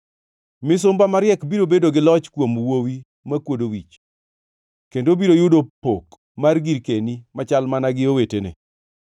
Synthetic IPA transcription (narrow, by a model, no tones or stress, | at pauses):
mɪs̬ʊmbamaɾɪɛkbiɾobedoɡɪlɔt͡ʃkwomwowi | makwodowit͡ʃ | kendobiɾojʊdopok | marɡiɾkenimat͡ʃalmanaɡɪowetenḛ